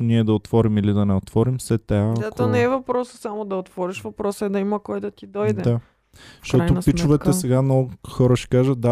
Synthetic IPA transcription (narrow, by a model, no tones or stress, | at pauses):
ʊniɛd̪ɐot̪vɔɾimilid̪ɐnɛot̪vɔɾimsɛt̪ːɛazat̪oanɛɛvɐpɾɔsə̥samod̪ɐot̪v̥ɔɾiʃvɐpɾɔsəɛd̪ɐimɐkɔjd̪ɐt̪id̪ɔj̪ɛd̪a | fʃtɔatj̪ʊnpit͡ʃʊvɛt̪ɛsɛɡannɔɡʊxɔɾəʃɛ̥kaʒət̪̚d̪a